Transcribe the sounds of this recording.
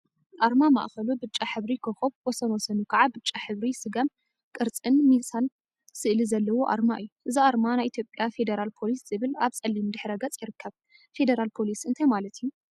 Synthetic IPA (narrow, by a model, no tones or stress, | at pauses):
ʔaɾmama̰ʔxɐlubɨt͡ʃʼːaħɨβɾikʰɐxoβwɔsɐnwɔsɐnukʰaʕabɨt͡ʃʼːaħɨβɾisɨɡɐm | kʼɨɾt͡sʼɨnmisan | sɨʔlizɐlːɐwoʔa̰ɾmaʔɨjːuʔɨziaɾmanajʔit̪jo̞pʼjafe̞d̪eɾalpʰo̞lisz̥ɨβɨlaβt͡sʼɐlːimd̪ɨħɾɐɡɐt͡sʼjɪɾɨkʰːɐβ | fe̞d̪ɐɾalpʰo̞lisɨnt̪ʰɐjmalɐt̪ʰiju